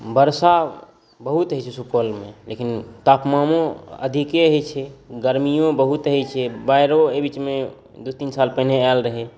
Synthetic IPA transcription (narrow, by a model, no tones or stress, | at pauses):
bəɾsa | bəɦut̪ɦjt͡ʃʰɛsukolmḛlekint̪apmamõə̰d̪ʱikeɦɛt͡ʃʰɛɡəɾmijõbəɦut̪ɦɛt͡ʃʰɛbaɪɾoebit͡ʃme | d̪ut̪insalpənealɾəɦe